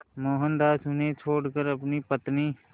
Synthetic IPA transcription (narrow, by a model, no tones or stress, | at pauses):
moːɦənd̪aːsʊnet͡ʃʰoːɽkəɾɐpnipət̪niː